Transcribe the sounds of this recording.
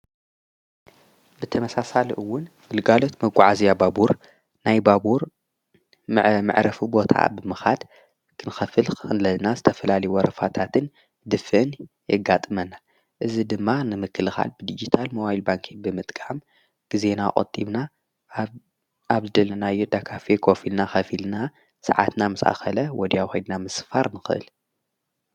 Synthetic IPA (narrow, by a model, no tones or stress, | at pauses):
bɨt̪ʰɐmɐsasaliʔɨwːʊn | ɡɨlɡalo̞t̪mɐɡʷʼaʕazijababuɾ | najbabuɾ | mmɨ̰ʕɾɐfibo̞t̪ʰa̰bɨmɨxa̰d̪ | kʰɨnɨxɐfɨlxɨxɨnlɐlnazɨt̪ʰɐfɐlalɐjuwɐɾɐfat̪ʰat̪ʰɨn | d̪ɨfɨʔɨn | jɛɡːat̪ʼɨmɐnːa | ʔɨzid̪ɨmːanɨmɨkʰːɨlɨxa̰lbɨd̪id͡ʒit̪ʰalmowajilbaŋkʰibɨmɨt̪ʼkʼam | ɡ̥ize̞nakʼɐ̰t̪ʼːiβna | aβzɨd̪ɐlːɐnajːud̪akʰafekʰofilnaxɐfilna | sɐ̰ʕa̰t̪namɨsʔa̰xɐlɐwɔd̪jawxojd̪namɨsfaɾnɨxɨʔɨ̰l